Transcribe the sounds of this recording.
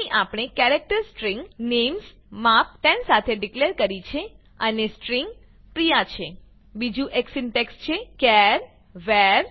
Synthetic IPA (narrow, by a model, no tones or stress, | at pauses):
iʔapɳ̃ekɛɾɛk̚ʈəɾsʈɾiŋɡnems | map̚ʈɛ̃nsat̪ʰeɖikleɾkəɾit͡ʃʰe | ənesʈɾiŋɡ | pɾijat͡ʃʰe | bid͡ʒũʔeksɪnʈekst͡ʃʰekɛɾ | ʋɛɾ